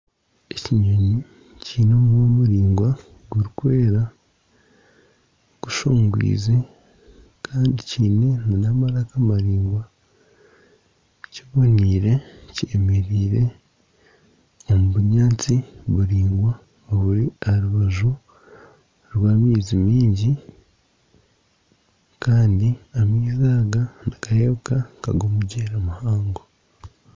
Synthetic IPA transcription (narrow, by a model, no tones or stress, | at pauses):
eciɲoɲi | ciːno̞mwomuɾiːŋɡwa | ɡuɾikwe̞ːɾa | ɡ̥uʃoːŋɡwḭːze | kʰaːndiciːne̞munamaɾakamaɾiːŋɡwa | ciβo̞niːɾe̞ciːmeɾiːɾe̞ | o̞muβuɲaːt͡siβuɾiːŋɡwa | oβuɾiaɾuβaʒu | ɾwaːmiːzimiːɲɟi | kaːndiamizaːɡanakajeβukaka̰ɡo̞ːmuɟeːɾamuhaːŋɡo